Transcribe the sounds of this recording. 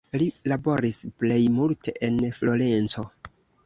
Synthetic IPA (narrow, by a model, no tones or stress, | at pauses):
lilabo̞ɾisple̞jmultʰe̞ʔenflo̞ɾe̞nt͡so̞